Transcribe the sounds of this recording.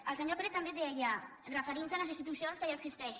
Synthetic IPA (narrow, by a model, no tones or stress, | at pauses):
əlˠsəɲopɾet̪əmbeðeaja | rəfəɾinsələzinst̪it̪usionskəʒaəksist̪ɛʃ